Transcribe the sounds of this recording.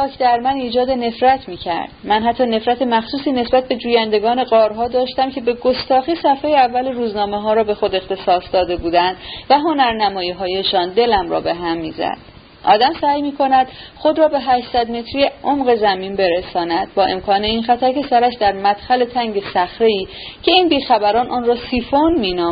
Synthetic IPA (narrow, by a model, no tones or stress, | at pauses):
ɒːkʰd̪æɾmæniːd͡ʒɒːd̪e̞ne̞fɾæt̪ʰmiːcʰæ̰ɾd̪mænhæt̪ʰːɒːne̞fɾæt̪ʰe̞mæxsuːsiːne̞sbæt̪̚be̞d͡ʒuːjænd̪e̞ɡɒːne̞ɢɒːɾɦɒːd̪ɒːʃt̪æmcʰe̞be̞ɡo̞st̪ɒːxisæfheːjeævːæleɾuːznɒːme̞ɦɒːɾɒːbe̞xo̞d̪e̞xt̪e̞sɒːsd̪ɒːd̪e̞buːd̪ænd̪væɦo̞næɾnæmɒːjiːɦɒːjeʃɒːnd̪e̞læmrɒ̰ːbe̞ɦæmːiːzæ̰d̪̥̚ | ʔɒːd̪æmsæːjmiːkʰo̞næd̪̥χo̞d̪ɾɒːbe̞ɦæʃt̪sæd̪me̞t̪ʰɾijeʔomɢe̞zæmiːnbe̞ɾesɒːnæd̪̥̚bɒːʔe̞mkʰɒːne̞iːnxæt̪ʰæɾcʰe̞sæɾæʃd̪æɾmæd̪̥xæle̞t̪ʰæŋɟe̞sæxɾe̞iː | cʰe̞iːnbiːxæbæɾɒːnʔɒːnrɒːsiːfonmiːnɒːm